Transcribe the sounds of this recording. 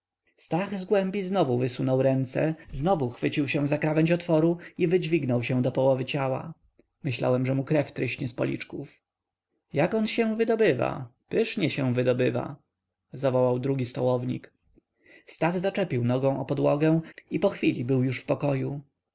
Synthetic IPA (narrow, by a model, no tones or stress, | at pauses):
st̪aɣzɡwɛmbʲiznɔvuvɘsunɔwɾɛnt̪sɛ̰znɔvuxfɘt͡ɕiwɕɛw̃zakɾavɛɲt͡ɕɔt̪fɔɾuivɘd͡ʑvʲiɡnɔwɕɛ̃w̃d̪ɔpɔwɔvɘt͡ɕawa̰ | mɘɕla̰wɛmʐɛmukɾɛft̪ɾɘɕɲɛspɔ̰lʲḭt͡ʂkuf | jakɔnɕɛ̃vɘd̪ɔbɘva̰pɘʂɲɛɕɛ̃vɘd̪ɔbɘva̰ | zavɔwawd̪ɾuɡʲist̪ɔwɔvɲḭk | st̪aɣzat͡ʂɛpʲiwnɔɡɔ̃w̃ʔɔpɔd̪wɔɡɛw̃ipɔxfʲilʲibɘwjuʂfpɔkɔju